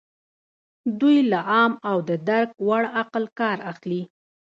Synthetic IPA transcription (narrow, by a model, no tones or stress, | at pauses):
d̪ujlaʔɑmawd̪əd̪aɾk̚waɽaqəlkɑɾaxli